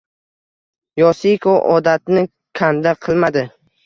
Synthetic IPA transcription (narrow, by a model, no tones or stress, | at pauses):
jɒsɪkʰoʔɒd̪at̪nɪ | kʲʰand̪aqʰɨlˠmad̪ɪ